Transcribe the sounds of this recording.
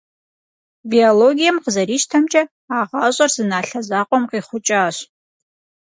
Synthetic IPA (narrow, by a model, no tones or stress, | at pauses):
bioloɡʲijɐmqəzɐɾiːʃtʰɐmt͡ʃʼɐ | aːʁɑːɕʷʼɐrzɨnaːɬɐzaːqʷʼɔmqiːχʷʊt͡ʃʼaːɕ